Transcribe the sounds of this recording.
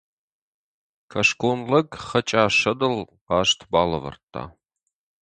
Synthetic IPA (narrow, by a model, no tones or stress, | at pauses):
kʰɐʂkʰʷoːnlɐɡχɐt͡ʃʼaːʂɐdɐl | qɑːʂtʰbaːlɐvɐ̰rtʰːa̰ː